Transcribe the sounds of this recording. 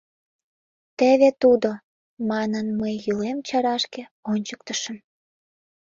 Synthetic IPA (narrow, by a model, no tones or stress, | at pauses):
t̪eβet̪ud̪o | mɑnənməjːylemt͡ɕɑɾɑʃke | onʲt͡ɕək̚t̪əʃən